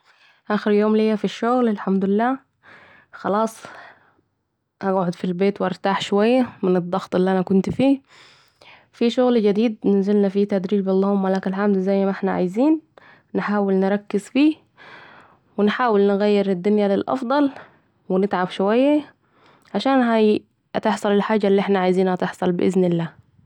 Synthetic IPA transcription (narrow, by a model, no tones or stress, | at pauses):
ʔaːxɪɾjoːmlejːafiʃːʊɣlɪlħamd̪ʊlɪlːaː | xɑlɑːsˤ | ʔaɡʕod̪filbeːt̪wʔɑɾˤt̪aːħʃowajːamɪnɨd̪ˤːɑɣt̪ˤɪlːiʔanakʊnt̪fiː | fiʃʊɣld͡ʒad̪iːd̪̚nɪnzɪlnafiːt̪ad̪ɾiːbʔɑlːɑːhʊmːalaːkalħamd̪zajːmaʔɪħnaʕa̰jziːn | nɪħaːwɪlnɪɾˤɑkːɪzfiː | wɪnħaːwɪlnɪɣæjːɪɾɪd̪ːʊnjalɪlʔɑ̰fd̪ˤɑl | wɪnɪt̪ʕabʃʊwajːa | ʕaʃaːnɦa | at̪ɪħsˤɑlɪlħaːd͡ʒːalːiʔɪħnaʕajziːnhat̪ɪħsˤɑlbɪʔɪ̰znɪlːaː